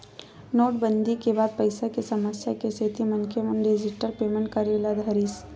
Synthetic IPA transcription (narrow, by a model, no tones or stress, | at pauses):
noːʈ̚bə̃nd̪ikebaːd̪̚pɐɪsakesɐməsjakeseːt̪imɐnkemənɖeːd͡ʒɪʈəɾpeːmə̃ɳʈkɐɾeːlad̪ʱɦɐɾiːs